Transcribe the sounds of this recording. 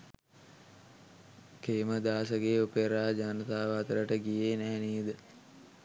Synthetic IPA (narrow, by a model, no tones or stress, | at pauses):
keːməd̪aːsəɡeːopeɾaːd͡ʒaːnət̪aːʋəat̪əɾəʈəɡijeːnæɦɛniːəd̪ə